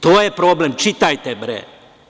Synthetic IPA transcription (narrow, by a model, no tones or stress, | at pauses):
t̪oːjepɾoːblemt͡ʃit̪ajt̪ebɾɛ̰